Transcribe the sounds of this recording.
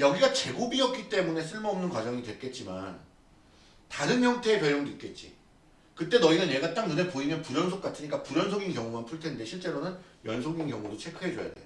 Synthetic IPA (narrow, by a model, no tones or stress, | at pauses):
jʌɡiɡat͡ɕe̞ɡobiʌp̚k͈it͈e̞mune̞sʰɯɭmʌʌmnɯnkwad͡ʑʌŋidwek͈e̞t̚t͡ɕ͈iman | taɾɯnmjʌŋtʰe̞ːpjʌɾjʌŋdit̚k͈e̞t̚t͡ɕ͈ḭ | kɯt͈e̞nʌinanje̞ɡat͈aŋnɯnepoimjʌnpuɾjʌnsʰok͈atʰɯɲik͈apuɾjʌnsʰoɡinkjʌŋumanpʰuɭtʰe̞nde̞ɕʰiɭt͡ɕ͈e̞ɾonɯn | jʌnsʰoɡinkjʌŋudot͡ɕʰe̞kʰɯɦe̞d͡ʑoja̰de̞jo